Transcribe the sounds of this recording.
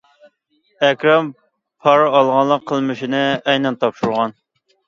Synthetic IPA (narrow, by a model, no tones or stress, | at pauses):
ɛkʲɾɑm | pʰɑɾɑlˠʁɑnlˠːəqʰːəlˠmɨʃinɨɛjnɛnt̪ʰɑpʃuɾʁɑn